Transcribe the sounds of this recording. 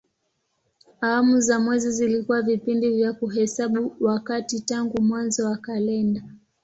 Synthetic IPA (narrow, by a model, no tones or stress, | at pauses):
awamuzamwɛzizilikuwavipindivjakuɦɛsaɓuwakatitaŋɡumwanzɔwakalɛnda